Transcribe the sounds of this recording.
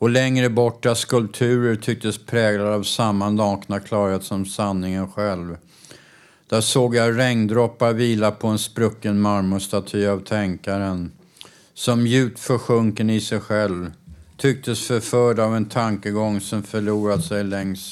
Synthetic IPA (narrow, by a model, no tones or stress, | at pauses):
ɔlɛŋɾəbɔʈːaskɵlp̚t̪ʰʉ̟ːɾəɾt̪ʰʏk̚t̪əspʰɾɛːɡladavsamːand̪ɔːknakʰlɑːɾheːt̪sɔmsanːɪŋənɧɛlv | d̪̥æsoːɡjaɾɛŋnd̪ɾɔpːaɾviːlapʰɔɛnspɾɵkːənmaɾmʊst̪at̪ʰyːavt̪ʰɛŋkaɾən | sɔmjʉ̟ːt̪fœɧɵŋkənɪsɛjɧɛlvt̪ʰʏk̚t̪ʰəsfœɾfœːɖavɛnt̪ʰaŋkəɡɔŋːsɔmfœɭuːɾad̪sɛjlɛŋs